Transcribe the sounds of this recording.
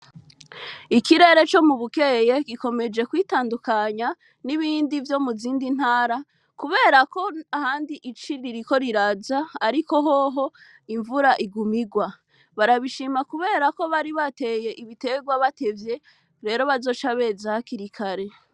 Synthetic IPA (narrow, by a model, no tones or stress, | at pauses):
ikiɾe̞ɾe̞t͡ʃo̞muβuke̞je̞ɡiko̞me̞d͡ʒe̞kwiːtaːndukaɲa | niβiːndivjo̞muziːndin̥haːɾa | kuβe̞ːɾako̞ahaːndiʔit͡ʃiɾiɾiko̞ɾiɾazaːɾiko̞ɦo̞ɦo̞ | iɱvuɾaʔiɡumiɡwa | βaɾaβiʃimakuβe̞ːɾako̞βaɾiβate̞je̞ʔiβite̞ɡwaβate̞vje̞ | ɾe̞ɾo̞βazo̞ːt͡ʃaβe̞zahakiɾikʰaɾe̞